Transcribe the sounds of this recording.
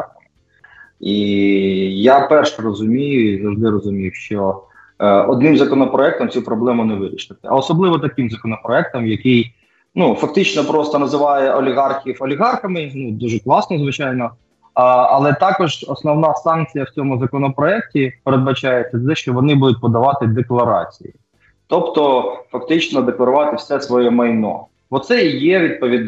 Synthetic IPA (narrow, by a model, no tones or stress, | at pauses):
i | japɛrʃɛrɔzʊmʲijʊizɐwʒd̪ɪɾɔzʊmʲijʊʃt͡ʃɔ | ɔd̪nɪmzɐkɔnɔpɾɔɛk̚t̪ɔmt͡sʲupɾɔblˠɛmʊnɛʋɪɾʲiʃɪt̪ɪɐ̰ɔsɔblˠɪʋɔt̪ɐkɪmzɐkɔnɔpɾɔɛk̚t̪ɔmjɐkɪj | nufɐk̚t̪ɪt͡ʃnɔpɾɔst̪ɔnɐzɪʋɑjɛʔɔlʲiɣɑrxʲiwɔlʲiɣɑrxɐmɪnud̪uʒɛklˠɑsnɔzʋɪt͡ʃɑjnɔ | ɐlˠɛt̪ɑkɔʒɔsnɔwnɑsɑnkt͡sʲijɐwt͡sʲɔmʊzɐkɔnɔpɾɔɛk̚tʲipeɾed̪̚bɐt͡ʃɑjet͡sʲːɐt̪d̪ɛʃt͡ʃɔʋɔnɪbud̪ʊt̚ʲpɔd̪ɐʋɑt̪ɪd̪eklˠɐɾɑt͡sʲḭjḭ | t̪ɔpt̪ɔfɐk̚t̪ɪt͡ʃnɔd̪eklˠɐɾʊʋɑt̪ɪwsɛsʋɔjɛmɐjnɔ̰ | bɔt̪sɛijɛʋʲid̪̚pɔʋʲid̪